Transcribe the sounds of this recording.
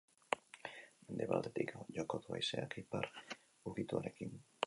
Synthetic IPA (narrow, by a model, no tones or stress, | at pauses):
mend̪e̞βa̰ld̪e̞t̪ikʝokot̪uɣa̰jseakipar | uɣit̪ua̰ɾe̞kin